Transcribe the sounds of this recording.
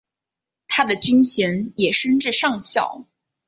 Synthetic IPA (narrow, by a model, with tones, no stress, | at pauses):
t̪ʰa˥d̪ə˨t͡ɕy˥nɕɛ˧˥njɛ˨˩ʂə˥nʈ͡ʂɻ̩˥˧ʂɑ˥˩ŋɕjɑ̰˨˩ʊ